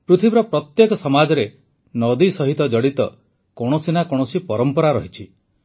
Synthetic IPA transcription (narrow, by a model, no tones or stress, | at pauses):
pɾut̪ʰibiɾɔpɾɔt̪jekɔsɔmad͡ʒɔɾe | nɔd̪isɔɦit̪ɔd͡ʒɔɽit̪ɔ | kɔɽ̃ɔsinakɔɽ̃ɔsipɔɾɔmpɔɾaɾɔɦit͡ʃʰi